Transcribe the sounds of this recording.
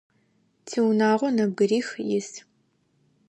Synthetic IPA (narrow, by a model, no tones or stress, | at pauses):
tʰiːwnaːʁʷɔnɐb̚ɡɨriːxjɪs